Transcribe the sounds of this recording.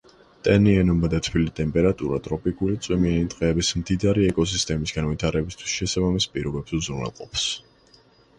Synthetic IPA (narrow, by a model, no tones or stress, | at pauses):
t̪ʼɛniɛnɔmbad̪at̪ʰwilit̪ʼɛmpʼɛɾat̪ʼuɾa̰t̪ʼɾɔpʼikʼulit̪sʼwɛmianit̪ʼqʼɛːbismd̪id̪aɾiɛkʼɔs̬ist̪ʼɛmisɡanvit̪ʰaɾɛbist̪ʰwi̥sʃɛsabamispʼiɾɔbɛbsuzɾnɛ̰lˠqʼɔps